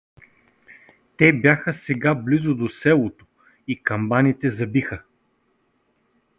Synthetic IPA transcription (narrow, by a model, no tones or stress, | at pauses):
t̪ɛbjaxəsɛɡablizod̪osɛlˠot̪o̥ | ikɐmbanit̪ɛzɐbixə